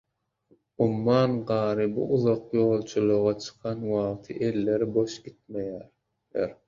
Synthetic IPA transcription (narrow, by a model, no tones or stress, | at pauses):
umːɑːnɢɑːɾɯbṵʔuðɑqjo̞ːlˠt͡ʃʰulˠuʁɑt͡ʃʰɯ̥qʰɑnwɑʁt̪ʰɯ̰ʔe̞lːe̞ɾibo̞ʃɡʲit̪̚mejæːɾ | eɾ